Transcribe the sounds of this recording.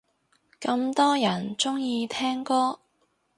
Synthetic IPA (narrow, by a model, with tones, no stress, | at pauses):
kɐ˧mt̪ɔː˥jɐ˨˩nt͡sʊ˥ŋjiː˧t̪ʰɛː˥ŋkɔː˥